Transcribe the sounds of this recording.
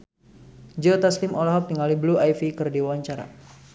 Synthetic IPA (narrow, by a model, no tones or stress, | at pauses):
d͡ʒot̪aslimolaɦɔp̚t̪iŋalibluajfikərdiwaaɲt͡ʃaɾa̰